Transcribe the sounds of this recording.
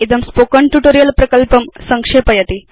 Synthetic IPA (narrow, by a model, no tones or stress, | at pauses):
id̪ɐmspoːkɐɳʈjuʈoːɾijɐlpɾɐkɐlpɐmsɐŋkʂeːpɐjɐt̪i